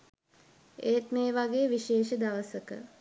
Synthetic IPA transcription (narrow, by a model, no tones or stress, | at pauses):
eːt̪meːʋaɡeːʋiʃeːʃəd̪aʋəsəkə̰